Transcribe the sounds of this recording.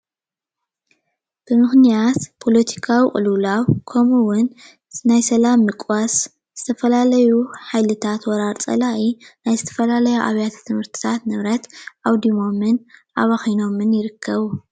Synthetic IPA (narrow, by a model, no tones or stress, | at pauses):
b̥ɨmɨxnijat̪pʰo̞lɐt̪ʰi̥kʰawikʼɨ̰lulawkʰomuwʊn | najsɐlamːɨkʼwas | z̥ɨt̪ʰɐfɐlalɐjuħajlɨt̪ʰat̪wɔɾaɾt͡sʼɐ̰laʔinajzɨt̪ʰɐ̥fɐlalɐjuʔa̰βjat̪ʰt̪ʰɨmhɨɾt̪ʰɨ̥t̪ʰat̪nɨβɾɐt̪ʔawd̪imo̞mːɨnʔaβaxijno̞mːɨnjɪɾɨkʰːɐβu